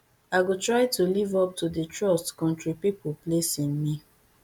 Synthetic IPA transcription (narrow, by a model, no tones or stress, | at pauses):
aɪɡotɹaɪtulivɔp̚tʰudətɹɔstkɔ̃ntɹipipoplesĩnmi